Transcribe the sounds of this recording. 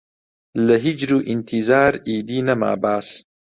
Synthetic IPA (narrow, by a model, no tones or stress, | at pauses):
lɐɦid͡ʒɾuːʔɪnt̪ʰizaːɾiːd̪iːnɐma̰ːbaːs